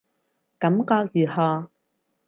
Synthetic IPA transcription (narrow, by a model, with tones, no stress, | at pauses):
kɐ˨˥mkɔː˧k̚jyː˨˩hɔː˧˩